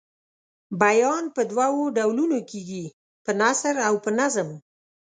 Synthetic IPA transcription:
bajɑnpəd̪wawoɖawlunokiɡi | pənasɾawpənazəm

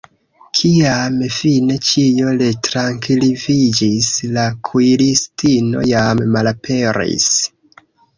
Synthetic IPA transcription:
kʰiamfine̞t͡ʃijo̞letɾaŋkilivid͡ʒislakʰuilistino̞̰jammalapʰe̞ɾḭs

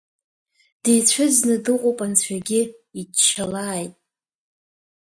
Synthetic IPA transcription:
d̥ejt͡ɕʷʰʊznɨdɨqʷʼowpʼant͡ɕʷʰaɡʲɪit͡ʃʰːalaːjtʼ

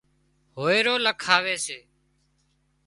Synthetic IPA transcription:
ɦoːeːɾoːləkʰaːʋeːseː

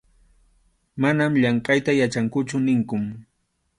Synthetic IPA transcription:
manamʎɑɴqʼajt̪ajat͡ʃaŋkʊt͡ʃʊnɪŋkʊm

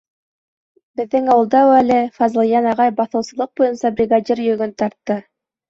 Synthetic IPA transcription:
bɘ̆ðːɘŋɑwɤ̆lˠd̪ɑwælɘfɑzlˠjɑnɑʁɑjbɑθɤ̆wsɤ̆lˠɤq̚bujɤnsɑbɾʲiɡadʲirjɵ̆ɡɵnt̪ɑɾt̪ːɤ

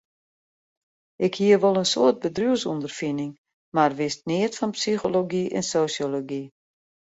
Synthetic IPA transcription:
ʔɪkhiəʋolˠənsoərt̚bədruəsundərfinɪŋ | marʋɪst̚nɪətfɔnpsixoloɡiʔɛ̰nsoːsjoloɡi

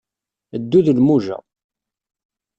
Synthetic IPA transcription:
əd̪ːuðəlmuʒæ̰

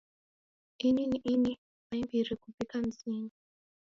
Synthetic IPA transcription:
ininiʔini | maimbiɾikubikam̩ziːnu

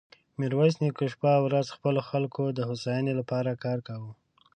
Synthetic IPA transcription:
mɪɾwasnikoʃpawɾazxpəloxalkod̪əhosɑjanelapɑɾakɑɾkawu

